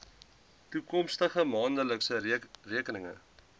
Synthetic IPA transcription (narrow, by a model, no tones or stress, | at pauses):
tukɔmstəχəmɑːndələksəriəkənəŋə̰